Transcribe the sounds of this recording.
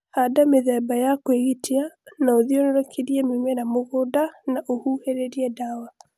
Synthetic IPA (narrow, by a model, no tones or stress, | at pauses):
hadameðɛbajakweɣitʰeanaoðionoɾakʰiɾiɛmemɛnamoɣodanaʔohuheɾeɾiɛdawa